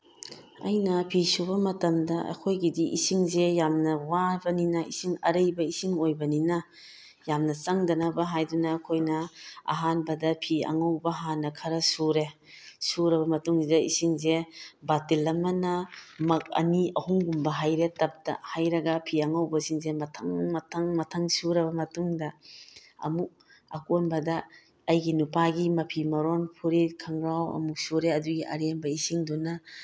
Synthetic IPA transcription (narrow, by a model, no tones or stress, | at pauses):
ɐ̰jnɐpʰisubɐmɐtɐmdɐʔɐ̰kʰojɡidiʔisiŋzejamnɐwabɐninɐisiŋɐ̰ɾɐjbɐisiŋojbɐninɐ | jamnɐt͡ʃaŋdɐnɐbɐɦajdunɐːkʰojnɐa̰ɦanbɐdɐpʰiɐ̰ŋawbɐɦanːɐkʰɐɾɐsuɾe | suɾɐβɐmɐtuŋzidɐisiŋzebatilːɐmɐnɐmɐk̚ɐ̰niɐhuŋɡumbɐɦajɾetɐp̚tɐ̰hajɾɐɡɐpʰiɐŋawbɐsiŋzemɐtʰaŋmɐtʰaŋmɐtʰaŋsuɾɐβɐmɐtuŋdɐ | ɐ̰muk̚ | ɐ̰konbɐdɐː | jɡinupaɡimɐpʰimɐɾonpʰuɾikʰaŋɾawɐ̰muk̚suɾeɐduɡiʔɐ̰ɾembɐisiŋdunɐ